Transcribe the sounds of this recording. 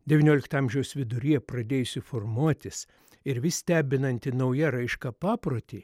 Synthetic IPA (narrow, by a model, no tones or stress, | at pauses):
d̪ʲɛʋʲɪnʲoːlʲɪkt̪ɐmʲʒʲɛʊsʋʲɪd̪ʊɾʲiːɛpɾɐd̪ʲeːjʊsʲɪformuɔt̪ʲɪs | ɪɾʋʲɪsʲt̪ʲæːbʲɪnɐnʲt̪ʲɪnɐʊjɛɾɐɪʃkɑpɑːpɾoːt̪ʲeː